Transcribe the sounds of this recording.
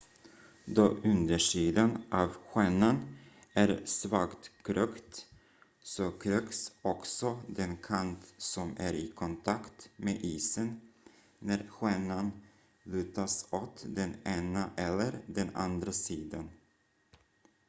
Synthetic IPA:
d̪oːʔɵnd̪əʂiːd̪anʔavɧɛːnanæɾsvakt̪kʰɾøːkt̪ | sɔkʰɾøːksɔksɔd̪ɛnkʰant̪sɔmæɾɪkʰɔnt̪ʰakt̪meːʔiːsənː | æɾɧɛnan | lʉ̟ːt̪asoːt̪d̪ɛneːnaʔɛlːəɾɖ̪ɛna̰nd̪ɾasiːd̪an

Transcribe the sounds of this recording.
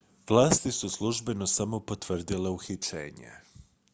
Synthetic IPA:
ʋlˠaːst̪isuslˠuʒbe̞no̞samo̞pot̪ʋr̩d̪ile̞uxit͡ʃḛːɲḛ

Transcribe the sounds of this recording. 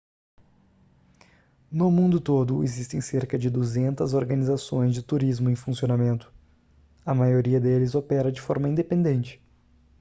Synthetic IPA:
nʊmũnd̪ʊt̪od̪ʊezist̪ẽj̃seɾkɐd͡ʒɪd̪uzẽnt̪ɐzoɾɡɐnizasõj̃zd͡ʒɪt̪uɾizmʊẽj̃fũsionamẽnt̪ʊ̥ | ɐmajoɾiɐd̪elɪzopɛɾɐd͡ʒɪfɔɾmɐĩnd̪epẽnd̪ẽnt͡ʃɪ̥

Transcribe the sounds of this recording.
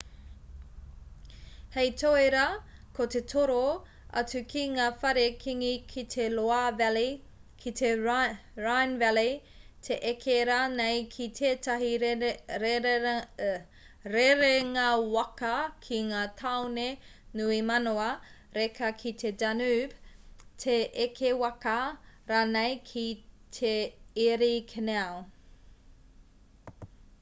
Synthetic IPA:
hejt̪ʰoeɾɐkʰot̪et̪ʰoɾo | ɐ̰t͡sʉkʰiŋaːfɐɾekʰiŋikʰit̪ʰeloav | kʰit̪ʰeɹajnvɛlet̪ʰeʔekʰeɾanejkʰit̪ʰeːtɐɦi | ɾeɾeŋɐwɐkɐkʰiŋaːt̪ʰawnenuimɐnoɐ | ɾekʰɐkʰit̪ʰedanubt̪ʰeʔekʰewɐkɐɾaːnejkʰit̪ʰeeɾikʰeneɐw

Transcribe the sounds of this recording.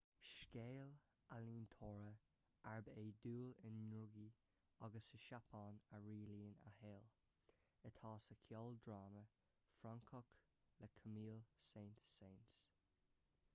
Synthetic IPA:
ʃkeːl | aliːnt̪ʰoːɹə | aɹbeːd̪uːlɪnːʊɡi | aɡəsəʃapʰɑːnəɹiːliːna̰ɦeːl | ət̪ʰɑːsəkʰjɔld̪ɹaːmə | fɹaŋkʰɔk | ləkʰəmiːlseːnt̪seːns

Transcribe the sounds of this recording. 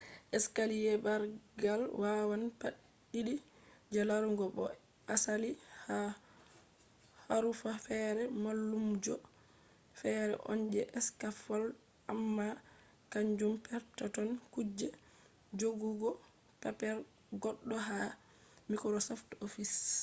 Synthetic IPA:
ʔɛskalijɛbaɾɡalwawanpaɗː | iɗi | d͡ʒalaɾuŋɡɔbɔ̰ | asaliha | haɾufafɛɾɛmalːumd͡ʒɔ | fɛɾɛ̰ʔɔ̰nd͡ʒɛʔɛskafɔl | amːa | kaɲd͡ʒumpɛɾtatɔnkud͡ʒːɛ | d͡ʒoɡuɡɔ | papɛɾ | ɡɔɗːɔɦa | mikɾɔsɔftofis

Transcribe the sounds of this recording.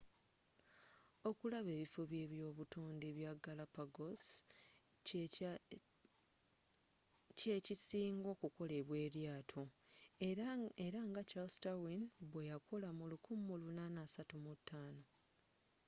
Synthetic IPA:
o̞kulaβe̞ːβifoβje̞βjo̞ːβutuːndeβjaɡalapaɡos | cecisiːŋɡo̞ːkuko̞le̞βwe̞ːɾjaːtʰo | eɾaŋɡat͡ʃastawinβwe̞jakʰo̞lamulukumolunanasatumutʰːaːno̞

